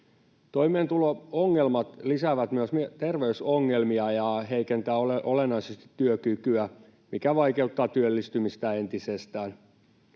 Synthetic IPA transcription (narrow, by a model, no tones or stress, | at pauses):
t̪o̞imeːnt̪ulooŋːelmɑt̪lisæʋæt̪myøsmyt̪e̞rʋeysoŋːelmiɑjɑɦe̞ikent̪æːoʔolenːɑisest̪i̥t̪ːyøkykyæ | mikæʋɑjke̞ut̪ːɑːt̪yølːist̪ymist̪æent̪isest̪æːn